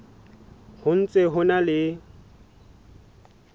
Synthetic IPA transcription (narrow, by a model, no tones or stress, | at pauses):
hʊn̩t͡sʼeɦʊnalɪ